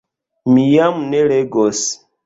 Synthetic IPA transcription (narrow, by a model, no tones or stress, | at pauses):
mijamunɛlɛɡɔs